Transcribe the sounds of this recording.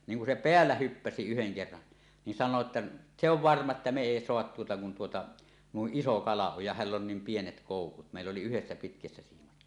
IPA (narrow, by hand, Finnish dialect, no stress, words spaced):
niːŋ kun se peælːæ hypːæsi yheŋ kerːɑn nin sɑnˑoː tːɑ se oʋ ʋɑrmɑ etːæ me eˑi soɑhɑt tuotɑ kun tuotɑ nuiʔ ʔiso kɑlɑ oj jɑ hælː on niːm pienet koˑukut meˑilː oli yhesːæ pitkæsːæ siːmɑt